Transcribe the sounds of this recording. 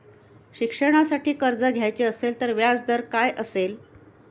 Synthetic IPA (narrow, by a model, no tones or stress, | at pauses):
ɕikʂəɽ̃asaʈiːkəɾd͡zəɡʱjajt͡ɕeəselt̪əɾʋjad͡zd̪əɾkajʔəsel